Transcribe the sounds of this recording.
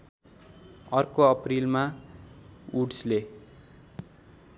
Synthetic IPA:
ʌrkoʌprilma | uɽsle

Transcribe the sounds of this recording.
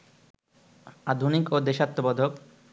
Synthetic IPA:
ad̪ʱunikod̪eʃat̪ːobɔd̪ʱok

